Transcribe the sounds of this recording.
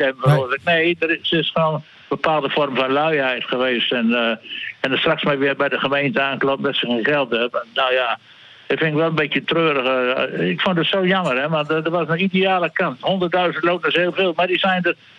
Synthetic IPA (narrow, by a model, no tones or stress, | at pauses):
ɛməfəroəzk̚neːdərsɪsxəʋoːn | bəpʰaːlˠdəfɔrmfɔnlœɥhɛjtxəʋeːstɛn | ɛndəstraksmɛʋɪərbɛjdəχəmeːntəaːnklopbɛsəkeχɛlˠtɛpnoːja | dɪfɪnɪkʋɛlˠənbetjətrøːɾəɣəɪkfʊndətsoːjɔmərɛʋadəʋɔsənideaːlˠəkanthondərtdœɥzəntloːtəsheːlˠfeːlˠmadisɛjndə